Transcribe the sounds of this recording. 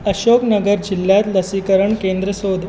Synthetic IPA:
əɕoknəɡəɾd͡ʑilːjat̪ləsikəɾəɳkend̪ɾəsod̪ʱ

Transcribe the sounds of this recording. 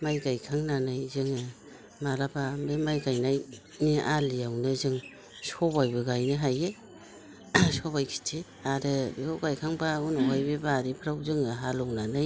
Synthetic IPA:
majɡajkʰaŋnanajzɯŋɯ | malabamemajɡajnaj | niʔaliawnɯzɯŋ | sobajbɯɡajnɯɦaje | soβajkʰi̥tʰi | aɾɯbiɡawɡajkʰaŋbaunɔɦajbebaɾipʰɾawzɯŋɯɦalɔwnanaj

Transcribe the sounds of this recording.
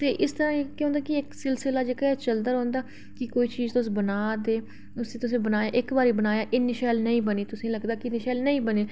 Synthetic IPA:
t̪eːʔɪst̪əɾãːekjõːnd̪aːkiɪksɪlsɪlaːd͡ʒeːkaɛːt͡ʃəld̪aɾɦoːnd̪aː | kɪkoːiːt͡ʃiːzt̪ʊsːbənaːd̪eː | ʊsẽːt̪ʊsẽːbənaːjaːʔɪkbaːɾiːbənaːjãːʔɪnɪʃɛːlnəĩːbəniːt̪ʊsĩːləɡd̪aːkɪnɪʃɛːlnəĩːbəneː

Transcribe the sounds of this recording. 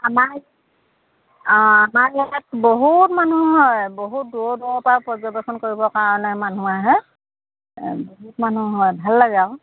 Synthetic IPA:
amaɹ | amaɹlɛɛt̚boɦutmanuɦɔjboɦut̚duɔduɔpaɹpɹɔzɔbɛkʰɔnkoɹibɔkaɹɔnɛman̤uaɦɛ | boɦutmanuɦɔjbʱalːaɡaʊ

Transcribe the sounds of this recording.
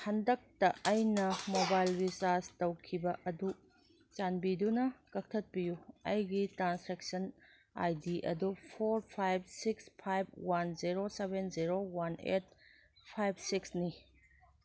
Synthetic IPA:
hɐndɐk̚tɐʔːjnɐmobajlbisastɐwkʰibɐʔɐdu | t͡ʃanbidunɐkɐk̚tʰɐt̚bijuɐ̰jɡitɾanspɾek̚sɐn | a̰jdiʔɐ̰dupʰoɾpʰajb̚sikspʰajb̚wanziɾosebenziɾowanḛt̚ | pʰajb̚siksni

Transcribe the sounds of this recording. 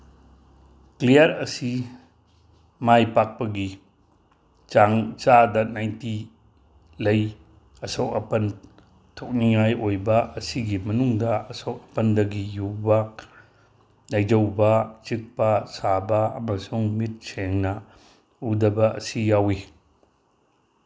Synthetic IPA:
klijɐɾɐsi | majpak̚pɐɡi | t͡ʃaŋt͡ʃadɐnajnti | lɐj | ɐsowɐpɐn | tʰok̚niŋajʔojbɐɐsiɡimɐnuŋdɐɐsowk̚ɐpɐndɐɡijubɐ | nɐjd͡ʒɐwbɐt͡ʃik̚pɐsabɐɐ̰mɐsuŋmit̚sʰeŋnɐ | udɐbɐʔɐ̰sijawi

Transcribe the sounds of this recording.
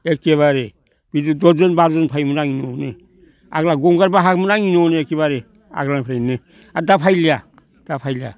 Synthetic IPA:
ek̚ːeβaɾe | b̥idudɔzɯnbaɾzɯnpʰajmunaŋinɔne | a̰ɡlaɡɔŋɡaɾbaɦak̚munaŋinɔneek̚eβaɾe | a̰ɡɾanapʰɾajne | adapʰajlia | d̥apʰajlia̰

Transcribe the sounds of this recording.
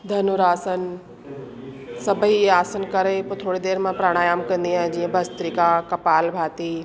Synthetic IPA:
d̪ʱɐnuɾaːsən | sɐbʱiaːsənkɐɾepoːt̪ʰoːɽid̪eːɾmãpɾaːɽ̃aːjaːmkɐ̃nd̪iaːɦɪ̃d͡ʑiːə̃bʱɐst̪ɾiːkakɐpaːlbʱaːt̪i

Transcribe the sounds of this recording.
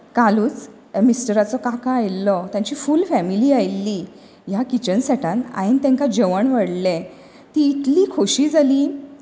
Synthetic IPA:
kaluːt͡s | misʈəɾat͡sɔkãkaajlːɔt̪jaɲt͡ɕiːfuːlfæmiliːajlːiː | jakit͡ɕənsaʈʰãna̰jint̪ɛ̃ŋkad͡ʑəʋəɳʋəɽlɛ̃ | t̪iːt̪liːkʰoɕiːd͡zʱaliː

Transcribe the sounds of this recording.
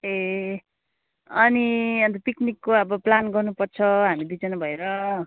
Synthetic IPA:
e | ʌniʌ̃nt̪ʌpiknikːoʌbʌplanɡʌrnupʌrt͡sʰʌɦamid̪it͡sʌnʌbʱʌeɾʌ

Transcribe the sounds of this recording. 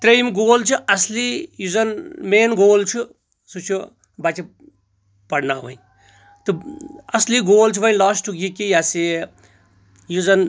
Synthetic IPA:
t̪ɾejmɡoːlt͡ʃʰuʔɐslijuzɐnmeːnɡoːlt͡ʃʰu | sut͡ʃʰu | bat͡ʃʰi | pɐɽnaːʋɐ̰i | t̪ɨɐsliɡoːlt͡ʃʰuʋɐj̃laːsʈukɡikijasi | juzɐn

